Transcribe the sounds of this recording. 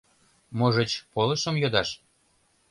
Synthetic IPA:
moʒə̆t͡ɕpolˠə̆ʃə̆mjod̪ɑʃ

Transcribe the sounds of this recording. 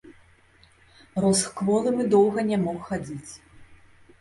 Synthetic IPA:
rɔsxkvɔlˠɨmɨd̪ɔwɣɐnʲɛmɔxxad͡zʲit͡sʲ

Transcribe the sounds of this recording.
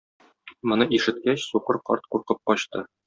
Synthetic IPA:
mŏnɤʔiʃɘ̆t̪̚kæɕsuqɤɾqɒ̰ɾt̪̚quɾqɤp̚qɒɕt̪ɤ

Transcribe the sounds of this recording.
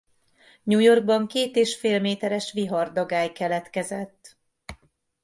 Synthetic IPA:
ɲuːjo̞rɡ̚bɒŋkeːt̪eːʃfeːlmeːt̪ɛɾɛʃʋiɦɒrd̪ɒɡaːjkɛlɛt̪kɛzɛt̪ː

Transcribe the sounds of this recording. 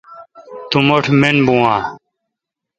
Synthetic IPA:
t̪umoʈʰmenbũãː

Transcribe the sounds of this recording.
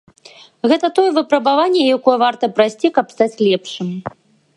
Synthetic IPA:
ɣɛt̪ɐt̪ɔjɛvɨpɾɐbavanʲːɛjakɔjɛvart̪ɐpɾajsʲt͡sʲikɐpst̪at͡sʲlʲɛpʂɨm

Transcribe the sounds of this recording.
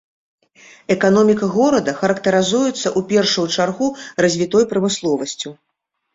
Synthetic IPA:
ɛkanɔmʲikɐɣɔɾɐd̪ɐxɐɾɐkt̪ɐɾɨzujut̪sːɐʔupʲɛrʂɨjut͡ʂarɣurɐzʲvʲit̪ɔjpɾɐmɨslˠɔvɐsʲt͡sʲu

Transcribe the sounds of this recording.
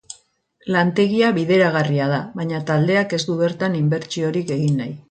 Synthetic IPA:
lant̪e̞ɣiaβiðe̞ɾaɣ̞ariað̞aβaɲat̪ald̪e̞ake̞zd̪uβe̞ɾt̪animbe̞ɾt͡ʃio̞ɾike̞ɣinːaj

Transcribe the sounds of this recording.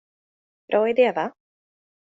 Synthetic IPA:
b̥ɾʔɑːɪd̪eːva

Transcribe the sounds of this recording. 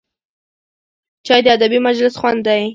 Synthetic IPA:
t͡ʃɑjd̪əad̪abimad͡ʒlɪsxwand̪ːaj

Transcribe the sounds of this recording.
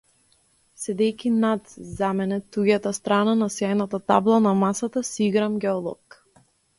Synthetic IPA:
sɛd̪ɛjkʲinat̪zamɛnɛt̪uɡat̪ast̪ɾananasjajnat̪at̪a̰blˠanamasat̪asiɡɾamɡʲɛɔlˠɔ̰k

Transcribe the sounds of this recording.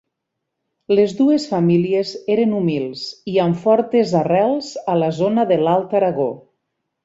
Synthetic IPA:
lezðuesfamiliezeɾenumilˠsiaɱfɔɾt̪ezarɛlˠzəlazonaðelalˠt̪aɾaɣo

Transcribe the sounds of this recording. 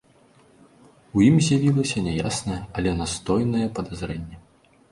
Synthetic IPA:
ujimzʲjavʲilˠɐsʲɐnʲɛjasnɐjɛɐlʲɛnast̪ɔjnɐjɛpɐd̪azɾɛnʲːɛ

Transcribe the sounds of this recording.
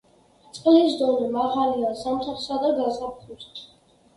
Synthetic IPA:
t̪sʼqʼlizd̪ɔnimaʁaliazamt̪ʰaχsad̪aɡazapχuɾt̪

